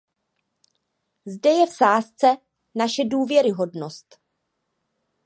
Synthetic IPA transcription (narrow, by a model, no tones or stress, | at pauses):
zdɛjɛfsaːst͡sɛ | naʃɛduːvjɛɾɪɦo̞dno̞st̪